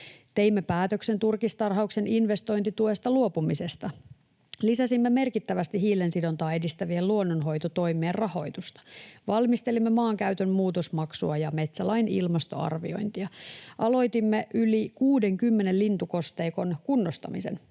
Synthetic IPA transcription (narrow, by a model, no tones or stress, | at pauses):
t̪e̞imːepæːt̪økse̞nt̪urkist̪ɑrɦɑukse̞ninʋe̞st̪o̞jnt̪it̪uest̪ɑluo̞pumise̞st̪ɑ | lisæsimːeme̞rkit̪ːæʋæst̪iɦiːlensido̞nt̪ɑːe̞dist̪æʋielluonːonɦo̞jt̪ot̪o̞jmˑeːrrɑho̞jt̪ust̪ɑ̥ʋɑlmist̪e̞limːemɑːŋkæyt̪ønmuːt̪o̞smɑksuɑjɑme̞t̪sælɑinḭlmɑst̪o̞̰ɑ̰rʋḭo̞̰jnt̪iɑʔɑlo̞jt̪imːeʔylikuːde̞ŋkymːene̞llint̪uko̞st̪e̞ːko̞nkunːost̪ɑ̰mise̞̰n